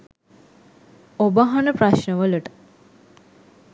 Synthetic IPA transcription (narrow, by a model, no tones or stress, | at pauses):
obəɦanəpraʃnəʋəluʈə̥